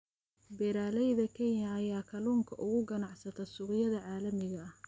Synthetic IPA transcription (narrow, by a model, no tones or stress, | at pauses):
bɛɾaːlɛjðɐkʰɛnɐːjaːkʰɐluːŋkʰɐʔʊɣʊɡɐnɑʕsɐt̪ʰɐsʊqɪjɐðɐʕɑːlɐmɪɣɐ